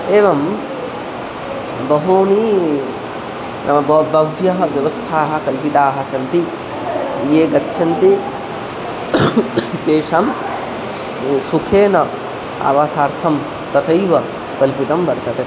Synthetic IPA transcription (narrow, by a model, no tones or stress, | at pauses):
eːʋɐm | bɐɦuni | nʔɐmɐbɐbɐʋjɐɦɐʋjɐʋɐst̪ʰaːɦɐ̆kɐlpit̪aːɦɐ̆sɐnt̪i | jeːɡɐtːʃʰɐnt̪i | t͡ʃeːʃam | sukʰeːnɐ | a̰ːʋaːsaːɾt̪ʰɐm | t̪ɐt̪ʰɐjʋɐ | kɐlpit̪ɐmbɐɾt̪ɐt̪e